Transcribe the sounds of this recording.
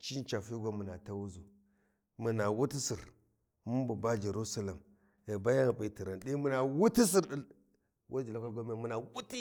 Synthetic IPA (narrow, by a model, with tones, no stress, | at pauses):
t͡ʃi˦nt͡ʃa˨fi˦ɡʷa˦mu˨na˨ta˦wu˦zu˨ | mu˨na˨wu˦ti˦si˨ɾ | mu˦mbu˨ba˦d͡ʒe˨ɾu˦sa˦la˨m | e˨ba˦ja˦ŋ˨pi˨ti˨ɾa˨nɗi˦mu˨na˨wu˦ti˦s̬i˦˨ɾɗi˦ | wʔa̰˦d͡ʒi˨la˦ka˦lɡo˦me˦˨mu˨na˨wu˦ti˦